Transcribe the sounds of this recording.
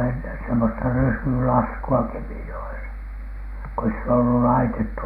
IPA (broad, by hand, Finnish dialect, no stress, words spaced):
enːen semːostɑ ryːsylɑskuɑ kemijoesɑ ko ei sit olːu lɑitetːu